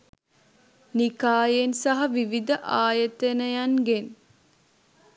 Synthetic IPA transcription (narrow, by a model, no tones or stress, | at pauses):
nikaːjensaɦɐʋiʋid̪əʔaːjət̪enəjanɡen